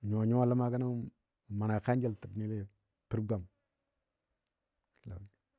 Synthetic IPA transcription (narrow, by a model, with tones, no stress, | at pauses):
ɲo˨ɲo˦a˦˨la˦ma˦ka˦na˦˨ | ma˨na˨ka˦n˦d͡ʒe˦ltə˨bni˦le˦ | pu˦ɾɡa˨m | i˦la̰˨ɲi˨